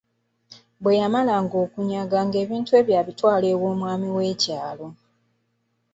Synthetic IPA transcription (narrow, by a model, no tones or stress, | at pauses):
bwe̞jamalaŋɡo̞ːkuɲaɡaŋɡe̞ːβiːntue̞ːβjaːβitwaːle̞ːwo̞ːmwaːmiwe̞ːcaːlo̞